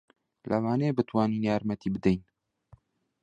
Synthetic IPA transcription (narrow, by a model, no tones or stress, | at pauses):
lʔɐwɑːneːbɨt̪ʰwaːniːnjaːɾmɛt̪iːbɨd̪ɛjn